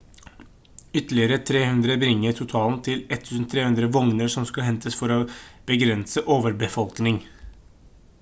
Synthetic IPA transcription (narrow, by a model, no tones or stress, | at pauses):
ʏt̪əɭɪəɾət̪ʰɾeːhʉnd̪ɾəbɾɪŋːəʈʰʊt̪ʰɑːlnt̪ʰɪlɛt̪ʰːʉːsn̩t̪ʰɾeːhʉnd̪ɾəʋɔŋnəɾʂɔmskɑɦɛnt̪ʰəsfɔɾob̥əɡɾɛnsəʔoːʋəɾbəfɔlknɪŋ